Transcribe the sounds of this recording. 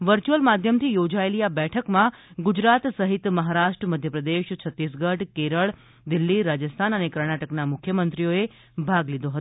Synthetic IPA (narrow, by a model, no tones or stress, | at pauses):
ʋəɾt͡ʃuəlmad̪ʱjəmt̪ʰijod͡ʒaeliabɛʈʰəkmãɡud͡ʒɾat̪səɦit̪məɦaɾaʃʈɾəməd̪ʱjəpɾəd̪eʃt͡ʃʰət̪ːis̬ɡəʈkeɾəɭ | d̪ilːiɾad͡ʒəst̪ʰanənekəɾɳaʈəknamʊkʰjəmənt̪ɾijoe | bʱaɡlid̪oɦət̪o